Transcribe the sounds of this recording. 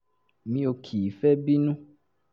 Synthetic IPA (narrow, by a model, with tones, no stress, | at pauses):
mĩ˧o˧kʰi˨fɛ˦bi˦nũ˦